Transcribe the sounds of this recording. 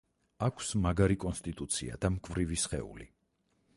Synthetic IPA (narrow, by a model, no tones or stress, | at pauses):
akʰsmaɡaɾikʼɔnst̪ʼit̪ʼut̪sʰḭa̰d̪amkʼvɾivisχɛ̰ṵli